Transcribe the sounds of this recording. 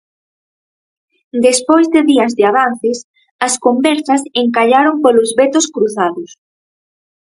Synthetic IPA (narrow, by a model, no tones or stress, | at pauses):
d̪espojzðɪðiɐzðɪaβan̟θɪs | ɐskombɛɾθɐseŋkaʎaɾompolʊzβet̪ʊskɾuθaðʊs